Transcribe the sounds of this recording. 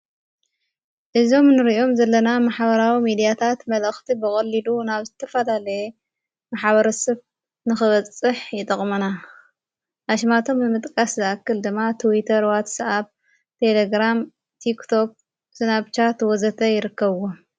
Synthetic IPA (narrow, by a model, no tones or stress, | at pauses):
ʔɨzo̞mnɨɾiʔo̞mzɐlːɐnamaħβɐɾawimid̪ijat̪ʰat̪mɐlɐxt̪ʰibɨkʼɐlːilunaβzɨt̪ʰɐfɐlalɐje | maħβɐɾɐsɐβ | nɨxɨβɐt͡sʼɨħjɪt̪ʼɐχʼmɐna | ʔaʃmat̪ʰo̞mːɨmɨt̪ʼkʼaszɨʔakːɨld̪ɨmːat̪ʰwit̪ʰɐɾwat̪sʔaβ | t̪ʰe̞leɡɾam | t̪ʰikt̪ʰo̞k̚ | zɨnaβt͡ʃʰat̪wɔzɐt̪ʰɐjɪɾɨkːɐβwo